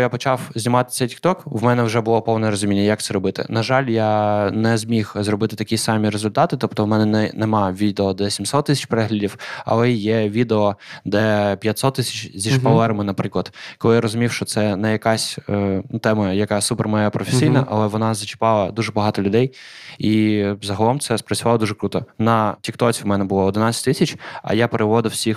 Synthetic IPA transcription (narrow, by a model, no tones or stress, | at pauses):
japɔt͡ʃɑwzʲnʲimɑt̪ɪ̥sʲːɐtʲi̥k̚t̪ɔkwmɛnɛwʒɛbʊlˠɔpɔwnɛɾɔzʊmʲinʲːɐjɐk̚t̪ɛɾɔbɪt̪ɪ̰nɐʒɑlʲjanɛzʲmʲixzrɔbɪt̪ɪt̪ɐkʲisɑmʲiɾezʊlʲt̪ɑt̪ɪt̪ɔpt̪ɔwmɛnɛnɛnɛmɑʋʲid̪eɔd̪ɛsʲimsɔt̪ːɪsʲɐ̥t͡ʃʲpeɾɛɦlʲɐdʲiwɐ̰lˠɛjɛʋʲid̪eɔd̪ɛpʲjɐt̪ʲsɔt̪ːɪsʲɐ̥t͡ʃzʲiʃpɐlˠɛɾɐmɪnɐpɾɪklˠɐt̪kɔlˠɪjaɾɔzʊmʲiwʃt͡ʃɔt̪sɛnɛjɐkɑsʲənt̪ɛmɐjɐkɑsupɛrmɛjapɾɔfesʲijnɐʔɐlˠɛʋɔnɑzɐt͡ʃɪ̥pɑlˠɐd̪uʒɛbɐɦɑt̪ɔlʲʊd̪ɛjizɐɦɐlˠɔmt̪sɛspɾɐt͡sʲsʲʊʋɑlˠɔd̪uʒɛkɾut̪ɔnɐtʲikt̪ɔt͡sʲiwmɛnɛbʊlˠɔɔd̪ɪnɑt͡sʲɐ̥tʲt̪isʲɐt͡ʃʲɐ̰japeɾeʋɔd̪ɪwsʲix